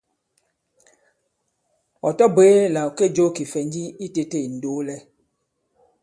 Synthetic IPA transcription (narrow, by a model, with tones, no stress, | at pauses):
ɔ˨tɔ˦be˨˦la˨o˨ke˦˨d͡ʒo˦ki˨fɛ˨ɲ˦d͡ʒi˦i˦te˨te˦˨n̩˨do˨˦lɛ˦